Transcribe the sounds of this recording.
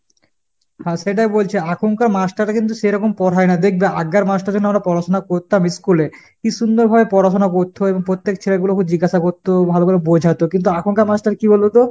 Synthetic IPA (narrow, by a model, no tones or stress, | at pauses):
ɦãʃeʈ̬ajbolt͡ɕʰeakʰoŋkaɾmasʈaɾʈakint̪̬uʃeɾɔkompɔʈʰaenad̪ekʰbeʔaɡːaɾmasʈaɾd͡ʑonːoamɾapɔɾaʃonakoɾt̪amiskule | kiʃund̪oɾbʱabepɔɾaʃonakoɾt̪ʰːoeboŋpɾot̪ːek̚t͡ɕʰeɾaɡulokʰub̚d͡ʑiɡaʃakoɾt̪obʱalobalobod͡ʑʱat̪okint̪̬uakʰoŋkaɾmasʈaɾkibolot̪o